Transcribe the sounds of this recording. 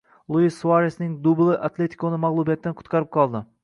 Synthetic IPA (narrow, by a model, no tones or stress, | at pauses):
lˠuisːuaɾesnɪŋd̪ublˠɪʔat̪lʲe̞t̪ʰi̥kʰonɪmaʁlˠubijat̪ːanqʰʊ̥t̪qʰɑɾɪp̚qʰɒlˠd̪ɪ